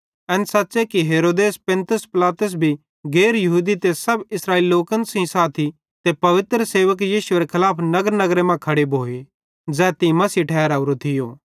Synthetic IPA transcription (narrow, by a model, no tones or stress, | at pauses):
ɛ̃ːnsaːtːsekiɦeːɾoːd̪eːspẽnt̪ʊspɪlaːt̪ʊs̬bʱi | ɡeːɾjɐɦuːd̪it̪esɐbɪsɾaːiːliloːkə̃nsɐĩsaːt̪ʰi | t̪epɐʋɪt̪ɾəseːʋək̬jiːʃʊeɾekʰɐlaːpʰnɐɡəɾnɐɡɾemãkʰɐɽebʱoːe | d͡zɛːt̪imɐsiʈʰɛːɾaːuɾot̪ʰɪjoː